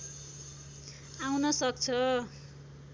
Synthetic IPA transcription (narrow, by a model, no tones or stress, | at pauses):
awnʌsʌk̚t͡sʰʌ